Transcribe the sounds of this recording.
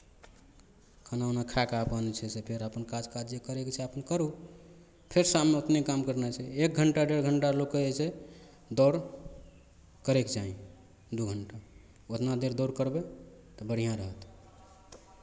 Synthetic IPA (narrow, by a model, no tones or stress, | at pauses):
kʰənaunakʰakaəpənt͡ʃʰɛsepʰeɾəpənkad͡ʒkad͡ʒekəɾekt͡ʃʰɛəpənkəɾu | pʰeɾsamneot̪nekamkəɾnɛt͡ʃʰɛek̚ɡʱəɳʈaɖeɽɡʱəɳʈalokeese | d̪ɔɾ | kəɾekd͡ʒaĩ | d̪uɡʱəɳʈa | ot̪nad̪eɾd̪ɔɾkəɾbe | t̪ɔbəɽ̤ijãɾəɦət̪